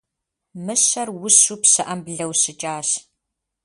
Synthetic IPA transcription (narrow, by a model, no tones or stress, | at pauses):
mɨɕɐrwʊɕupsɨʔɐmbɮɐwɕɪt͡ʃʼaːɕ